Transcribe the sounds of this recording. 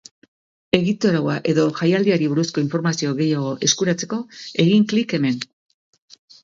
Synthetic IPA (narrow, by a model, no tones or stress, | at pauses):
e̞ɣit̪o̞ɾawaʔe̞ðo̞ʝajald̪iaɾiβ̞uɾusko̞iɱfo̞ɾmasio̞ɣe̞jaɣ̞o̞ʔe̞skuɾat͡se̞ko̞e̞ɣiŋklike̞me̞n